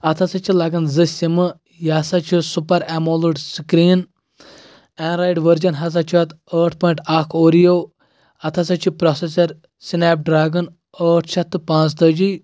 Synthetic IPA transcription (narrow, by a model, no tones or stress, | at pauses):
ɐt̪ʰɐsɐt͡ʃʰilɐɡɐnzɨsʲimɨ | jaːsɐt͡ʃʰisupɐɾɛmoːluɖskɾiːn | ɛːnɾajɖʋəɾd͡ʒɐnɦɐs̬ɐt͡ʃʰiʋɐt̪əːʈʰpɔːjɳʈakʰoːɾijoː | ɐt̪ʰɐsɐt͡ʃʰipɾɔsesɐɾ | sineːp̚ɖɾaːɡɐn | əːʈʰt͡ʃʰɐt̪ːɨpãːt͡st̪ɐd͡ʒi